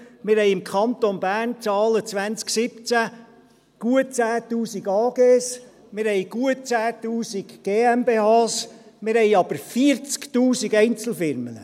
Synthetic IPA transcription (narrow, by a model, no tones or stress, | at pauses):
mɪɾhɛɪɪmkʰɑnt̪onbæːrnt͡sɑːlət͡sʋænt͡sksɪpt͡sæ | ɡ̥uət͡sæːt̪uːsiɡɑːɡeːs | mɪɾhɛɪɡ̥uət͡sæːtuːsikɡ̥eːɛmbeːɑːsmɪɾhɛɪɑb̥əɾfiəɾt͡skt̪uːsiɡɛjnt͡sl̩ˠfɪɾmənə̰